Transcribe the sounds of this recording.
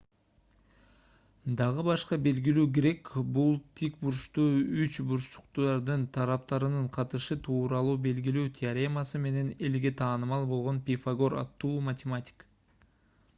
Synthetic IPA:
d̪ɑʁɯbɑʃqɑbe̞lɡilyːɡeɾe̞kbulˠt̪ʰikbuɾʃt̪uyt͡ʃbuɾʃʃu̥qt̪ɑɾd̪ɯnt̪ʰɑɾɑp̚t̪ɑɾɯnɯɴqʰɑt̪ɯʃɯt̪ʰuːɾɑlˠuːbe̞lɡilyːt̪ʲʰɪaɾʲemasɯme̞ne̞ne̞lɡe̞t̪ʰɑːnɯmɑlˠbo̞lˠʁo̞npʲifaɡo̞ɾɑ̰t̪ːuːmɐt̪ʲɪmatʲɪ̥k

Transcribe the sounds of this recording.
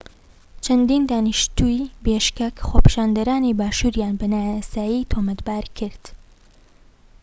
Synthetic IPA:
t͡ʃʰɐnd̪iːnd̪aːnɨʃt̪uibeːʃkekxoːpi̥ʃaːnd̪ɐɾaːnibaːʃuːɾjaːnbɐnaːjasaːjit̪ʰoːmɐt̪baːɾkʰɨɾd̪̥

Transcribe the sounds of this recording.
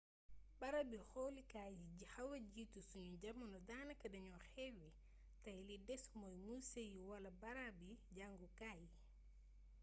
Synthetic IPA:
bɐɾabixɔlikajiɟihɐwɐɟiːtusuɲuɟɐmɐnɔdaːnɐkɐdɐɲɔxɛwi | tɐjlidɛsmɔjmusejuwɐlɐbɐɾabiɟaŋɡukaji

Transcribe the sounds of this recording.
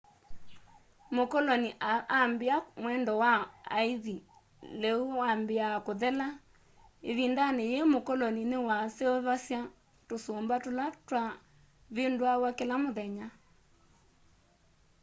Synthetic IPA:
mokɔlɔniambeamwɛndɔwaaiði | leuambeakoðɛla | eβindanejemokɔlɔninewaseoβasja | tosombatolatwa | βendoawakelamoðɛɲa

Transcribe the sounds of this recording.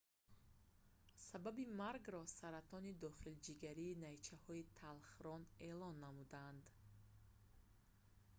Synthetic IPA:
sababimaɾɡɾɔsaɾat̪ʰɔnid̪ɔχild͡ʒiɡaɾiːnajt͡ʃʰahɔit̪ʰalχɾɔne̞lɔnːamud̪and̪

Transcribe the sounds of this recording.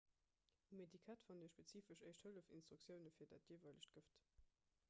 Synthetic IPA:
umedikʰætfɑndiɐʃpet͡siːfəʃəɪʃthələfḭnstʁ̥ukt͡sjəʊnəfiːɐda̰ːtjevɐləɕt̚ɡ̥əft

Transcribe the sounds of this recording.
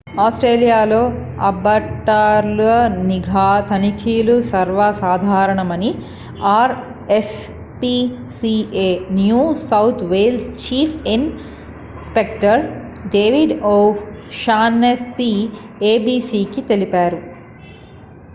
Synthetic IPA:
aːsʈɾeːlijaːlo̞ː | ɐ̰bɐʈːaːɾluɐniɡʱaːt̪ʰɐnikʰiːlusɐɾʋɐsaːd̪ʱaːɾɐɳɐmɐni | aːɾ | es | pi | sieːnjuːsɐwt̪ʰʋeːlst͡ʃiːpʰin | spekʈɐɾɖeːʋiɖoːfʃaːnesːi | eːbiːsiːkit̪e̞lipaːɾu

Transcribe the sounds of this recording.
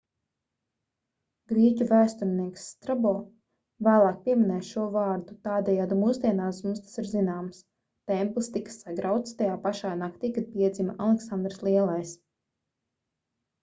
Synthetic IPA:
ɡɾiɛcʲuvæːst̪uɾniɛksːt̪ɾabɔː | væːlˠɑːk̚pʲiɛminɛːʃuɔvɑːɾd̪ut̪aːd̪ɛjaːd̪umuːzd̪ʲiɛnaːsmust̪ḁsiɾzinaːms | t̪ɛmplˠist̪ikḁsaɡɾawt̪st̪ajaːpaʃaːnakt̪iːkad̪̚pʲiɛd̪zimaʔalˠɛksand̪ɾslˠiɛlˠajs

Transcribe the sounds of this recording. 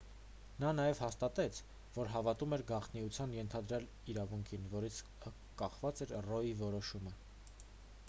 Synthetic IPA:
nɑnɑjɛvhɑst̪ɑt̪ɛt͡sʰ | vɔɾɦɑvɑt̪umɛɾɡɑχt̪ʰniut͡sʰjɑnjɛnt̪ʰɑd̪ɾjɑl | iɾɑvuŋkʰinvɔɾit͡sʰ | kɑχvɑt͡sɛɾrɔjivɔɾɔʃumə

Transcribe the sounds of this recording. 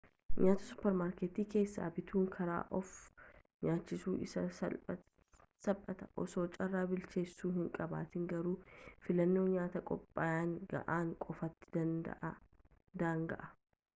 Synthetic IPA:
ɲaːt̪ɐsʊ̥pːɛɾmaːɾkeːt̪iːke̞ːsːa̰ːbɪt̪ʰuːŋkʰɐɾa̰ːʔɔf | ɲaːt͡ʃːɪsuːɪsɐɐ | sɐbʼːɐt̪ɐʔɔ̰so̞ːt͡ʃʼɐrːaːbɪlt͡ʃe̞ːsːuːhɪŋkʼɐba̰ːt̪ɪŋɡɐɾuːfɪlɐnːo̞ːɲaːt̪ɐkʼɔpʼːaːjaːŋɡɐ̰ʔaːŋkʼɔfɐt̪ːɪ̥d̪ɐnd̪ɐ̰ʔ | d̪aːŋɡɐ̰ʔɐ

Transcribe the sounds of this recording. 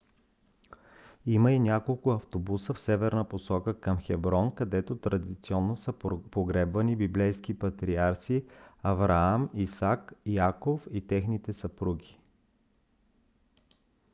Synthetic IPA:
iməinʲakolˠkʊɐft̪obusəfsɛvɛɾnəposɔkəkəmxɛbɾɔnkɐd̪ɛt̪ot̪ɾɐd̪it̪siɔnːosəpoɡɾɛbvɐnibiblɛjsk̟ipɐt̪ɾiaɾsiɐvɾaamisakiakofit̪ɛxnit̪ɛsɐpɾuɡʲi̥

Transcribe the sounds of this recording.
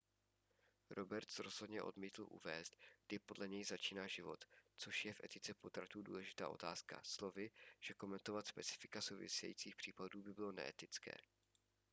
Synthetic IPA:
ɾo̞bɛɾt̪sɾo̞z̥ɦodɲɛʔo̞̰dmiːt̪l̩ʔṵvɛːst̪̚ɡ̥dɪpo̞dlɛɲɛjzat͡ʃiːnaːʒɪvo̞t̪t͡so̞ʃjɛfʔɛt̪ɪt͡sɛpo̞t̪ɾat̪uːdṵːlɛʒɪt̪a̰ːʔo̞̰t̪aːska̰slo̞vɪʒ̥ɛko̞mɛnt̪o̞vat̪spɛt͡sɪ̥fɪ̥kasowvɪ̰sɛjḭːt͡siːxpr̥iːpaduːbɪbɪlo̞nɛ̰ʔɛt̪ɪt͡skɛ̰ː

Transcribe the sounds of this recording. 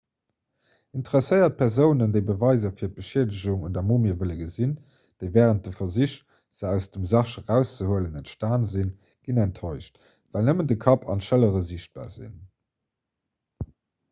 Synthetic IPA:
intəʁɛsəɪɐt̚pʰɛʁzəʊnəndəɪbəvɑɪzɐfiːɐt̚b̥əʃeːdəʑuŋundɐmoːmiːəɐvələɡəzin | d̥eɪvɛːʁənt̚dəfɐziʃ | z̥əæʊsd̥əmzɑʃəʁæʊst͡səhuələnæntʃtaːnzin | ɡ̥inæntʰːoɪʃt | vælnəməndəkʰɑpʰɑ̰nʃələʁəziɕt̚b̥a̰ːzḭn

